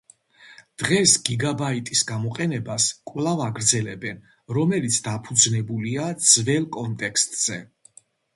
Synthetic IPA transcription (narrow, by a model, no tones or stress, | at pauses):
d̪̥ʁɛsɡ̥iɡabait̪ʼisɡamɔqʼɛnɛbaskʼvlavaɡɾd̪zɛlɛbɛn | ɾɔmɛlit̪sʰd̪apʰud̪znɛbuliad̪zvɛlˠkʼɔnt̪ʼɛkʰst̪ʼz̥ɛ